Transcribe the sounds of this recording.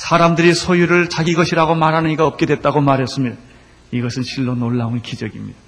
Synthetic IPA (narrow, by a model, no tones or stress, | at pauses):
sʰaɾamdɯɾisʰojuɾɯɭt͡ɕaɡiɡʌɕʰiɾaɡomaɾɦanɯɲiɡaʌp̚k͈e̞dwe̞t̚t͈aɡomaɾɦes͈ɯmjid | iɡʌsʰɯnɕʰiɭːonoɭːanikid͡ʑʌɡimɲid̥a